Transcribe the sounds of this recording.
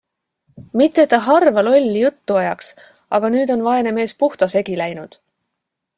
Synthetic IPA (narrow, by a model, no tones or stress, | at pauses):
mit̪ːˑet̪ːˑɑɦɑrvɑlo̞lʲːjut̪ːuɑjɑks | ʔɑɡ̥ɑnyːd̪o̞nvɑe̞ne̞me̞ːspuht̪ɑse̞ɡilæjnud̪̥